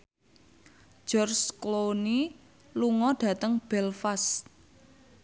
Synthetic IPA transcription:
d͡ʒ̥ɔrskloni | luŋɔɖ̥ä̤t̪əŋb̥ɛlfas

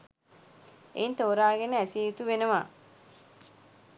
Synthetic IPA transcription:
ḛint̪oːɾaːɡenəæsiːut̪uʋenəʋa̰

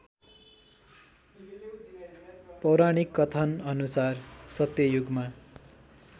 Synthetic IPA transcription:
pʌwɾaɽ̃ikːʌt̪ʰʌnʌnusarsʌt̪jʌjuɡma

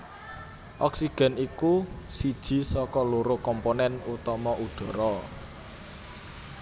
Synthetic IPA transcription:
ʔɔksiɡ̥ɛ̤niku | sid̥ʒ̥i̤sɔkɔloɾokɔmponɛnut̪ɔmɔʔud̪̥ɔ̤ɾɔ

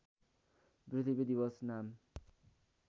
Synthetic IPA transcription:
brit̪ʰibid̪ibʌsnam

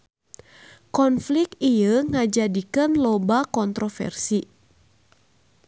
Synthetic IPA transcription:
kɔnflik̚ijəŋad͡ʒadikənlɔbakɔnt̪ɾɔfɛ̰rsi

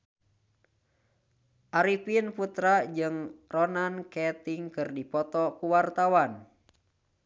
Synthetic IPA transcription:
ʔaɾipinput̪ɾad͡ʒɨŋrɔnankɛt̪iŋkɨrdipɔt̪ɔkuwart̪awan

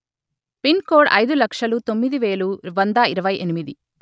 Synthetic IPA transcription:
pinkoːɖɐ̰jd̪ulɐkʂɐlut̪o̞mːid̪iʋe̞ːluʋɐnd̪ɐiɾɐʋɐjenimid̪i

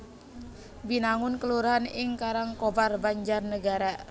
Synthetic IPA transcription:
binaŋʊnkəluɾaɦanɪŋkaɾaŋkobarbaɲd͡ʒarnəɡaɾa

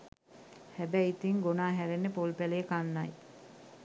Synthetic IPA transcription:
hæbæit̪iŋɡonaːɦæɾenːepolpæleekanːaj

